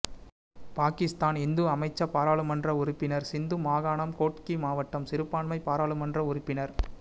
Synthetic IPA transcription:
paːkɪst̪aːnɪnd̪ɯɐmɐɪt͡ʃːɐpːaːɾaːɭɯmɐndrɐʊɾʊpːɪnɐɾsɪnd̪ɯmaːɣaːɳɐmkoːʈkimaːʋɐʈːɐmsɪɾɯpːaːɳmɐɪpaːɾaːɭɯmɐndrɐʊɾʊpːɪnɐɾ

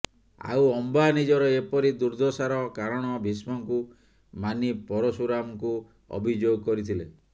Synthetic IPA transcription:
a̰wɔmbanid͡ʒɔɾɔepɔɾid̪uɾd̪ʱɔsaɾɔkaɾɔɽ̃ɔbʱismɔŋku | manipɔɾɔsuɾamɔku | ɔ̰bʱid͡ʒoɡɔkɔɾit̪ʰile

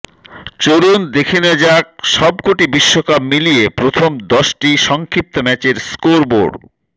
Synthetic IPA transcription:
t͡ɕoɾund̪ekʰenod͡ʑak̚ʃɔbkoʈibiʃːokab̚miliepɾot̪ʰomd̪ɔʃʈiʃɔŋkʰɾip̚t̪omɛt͡ɕeɾskoɾbo̰ɖ

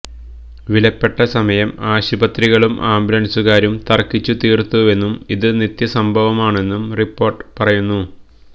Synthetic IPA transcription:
ʋilɐpːe̞ʈːɐsɐmɐjɐmaːɕibɐt̪riɣɐɭumʔaːmbɾɐɳsuɣaːɾumt̪ɐrkːit͡ɕːut̪iːrt̪ːue̞nːumiðɨnit̪jɐsɐmbʱɐʋɐmaːɳe̞nːumripːo̞ːrʈːɨ̥pɐrɐjunːu

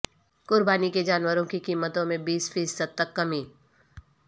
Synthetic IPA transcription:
kʊɾbaːniked͡ʒaːnwəɾõkikiːmːət̪õmẽbiːsfiːsːəd̪̚t̪ɐkːɐmiː

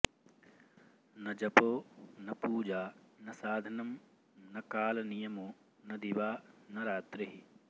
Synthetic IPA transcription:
nɐd͡ʒɐpoːnɐpuːd͡ʒaːnɐsaːd̪ʱɐnɐm | nɐkaːlɐnijɐmu | nɐd̪iʋaːnɐɾaːt̪ɾiɦi

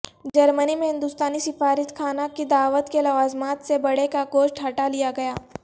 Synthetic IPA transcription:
d͡ʒɐɾmənimẽɦɪ̃nd̪ʊst̪aːnisɪfaːɾɪt̪kʰaːnakid̪aːʋət̪kelɐʋaːzmaːt̪sebɐɽekaɡoːʃʈɦɐʈalijaɡɐjaː

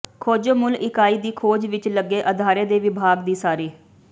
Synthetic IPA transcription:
kʰoːd͡ʒomʊlʔɪkaːiːd̪iːkʰoːd͡ʒʋɪt͡ʃləɡːeːʔəd̪ʱaːɾeːd̪eːʋɪbʱaːɡd̪iːsaːɾiː

